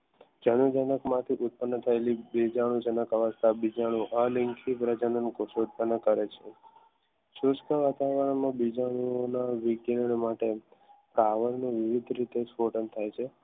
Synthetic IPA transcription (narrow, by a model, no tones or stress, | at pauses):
d͡ʒənud͡ʒanəkmãt̪ʰiʔʊt̪̚pənːət̪ʰəelibid͡ʒaɽ̃ũd͡ʒənəkəʋəst̪ʰabid͡ʒaɽ̃ũʔaliŋkʰipɾəd͡ʒənənkoʃot̪̚pənːəkəɾet͡ʃʰe | ʃuskəʋat̪aʋəɾəɳmãbid͡ʒaɽ̃uonaʋiɡiɾəɳmaʈepɾaʋəɾnuʋiʋid̪ʱɾit̪espoʈənt̪ʰajt͡ʃʰe